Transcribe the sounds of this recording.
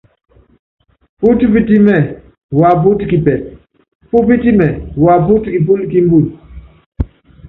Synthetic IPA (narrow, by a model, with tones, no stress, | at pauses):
pu˦ti˦pi˦ti˦mɛ˦˨ | wa˨p̬u˦ti˦ki˨pɛ˨ | pu˦pi˦ti˦mɛ˨wa˨pu˦tki˨p̬u˦lki˦m˦bu˦˨l